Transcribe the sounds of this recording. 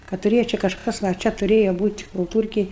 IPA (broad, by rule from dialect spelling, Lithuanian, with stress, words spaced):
kɐ tʊˈrʲeːjɛ t͡ʃʲɛ kɐʃˈkɐs ɐ ˈt͡ʃʲɛ tʊˈrʲeːjɛ ˈbuːtʲ kʊlˠˈtuːrʲkʲeːj